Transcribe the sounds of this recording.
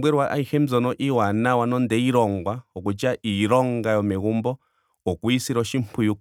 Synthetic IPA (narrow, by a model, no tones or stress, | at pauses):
bwɛɾwaʔaihɛm̩d͡zɔnɔʔiwanawanɔndɛiɾɔŋɡwaɔkut͡ʃaʔiɾɔŋɡajɔmɛɣumbɔ | ɔkuisiɾɔʃimpʰuju